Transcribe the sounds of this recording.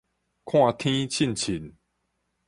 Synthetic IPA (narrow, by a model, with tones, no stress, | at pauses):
kʰw̃ã˥˧˨t̪ʰĩ˦t͡ɕʰi˥˨nt͡ɕʰi˨˦n